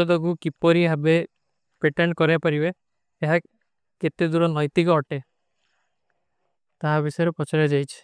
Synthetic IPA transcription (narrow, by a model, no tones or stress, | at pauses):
ɔd̪ɔɡukipɔɾiɦabe | peʈeɳʈ̚kɔɾapaɾibeː | ɦa | ket̪ed̪uɾɔnɔjt̪ikɔɔʈe | t̪aɦabisɔjɾepɔt͡ʃʰaɾed͡ʒajt͡ʃʰi̥